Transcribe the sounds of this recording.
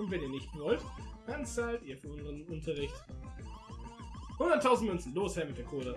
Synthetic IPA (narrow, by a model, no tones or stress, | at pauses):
ʊntvɛniːɐnɪçtb̥əvɔltkant͡saːltiːɐfyːɐʊnzəʁənʊntʰɐʁɪçt | hʊndɐtʰːaʊzn̩tmœnt͡ssn̩loːshɛɐmɪtd̥eːɐkʰoːdɐ